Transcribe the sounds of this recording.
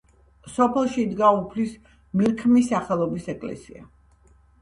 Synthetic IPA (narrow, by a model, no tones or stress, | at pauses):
sɔpʰɛlˠʃid̪ɡaupʰlis | milkʰmisːaχɛlˠɔbisɛkʼlɛ̰sia̰